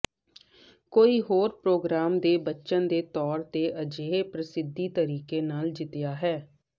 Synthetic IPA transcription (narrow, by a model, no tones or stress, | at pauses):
koːiːɦoːɾpɾoːɡɾaːmd̪eːbətːʃənd̪eːt̪ɔːɾt̪eːʔəd͡ʒeːpɾəsɪd̪iːt̪əɾiːkeːnaːld͡ʒɪt̪ɪjaːɦɛː